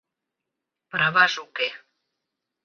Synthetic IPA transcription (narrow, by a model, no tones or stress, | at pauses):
pɾaβazuke